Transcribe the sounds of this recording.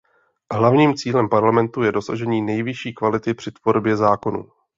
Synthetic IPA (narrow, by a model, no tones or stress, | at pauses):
ɦlavɲiːmt͡siːlɛmpaɾlamɛnt̪ujɛdo̞saʒɛɲiːnɛjvɪʃiːkvalɪt̪ɪpr̥ɪt̪vo̞ɾbjɛzaːko̞nṵː